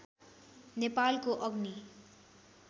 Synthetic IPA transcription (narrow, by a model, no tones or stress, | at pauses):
nepalkoʔʌɡni